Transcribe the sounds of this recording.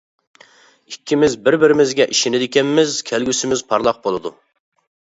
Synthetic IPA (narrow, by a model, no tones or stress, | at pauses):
ikʲʰːimɪzbɪɾbɪɾɪmɪzɡʲɛʔiʃinɪd̪ɪkʲɛnmɪzkʲʰɛlɡʲysɪmɪzpʰɑɾlˠɑq̚bolˠɨd̪u